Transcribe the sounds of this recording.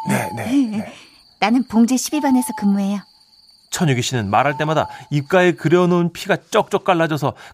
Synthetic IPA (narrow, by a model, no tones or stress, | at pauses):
nene | nanɯnpoŋd͡ʑeɕʰibibane̞sʰʌkɯmːuɦe̞jo | t͡ɕʰʌnɲjuɡipɕ͈inɯnmaɾɦaɭt͈e̞mada̰ip̚k͈aekɯɾjʌnounpʰiɡat͡ɕ͈ʌk̚t͡ɕ͈ʌk̚k͈aɭːad͡ʑʌs̬ʰʌ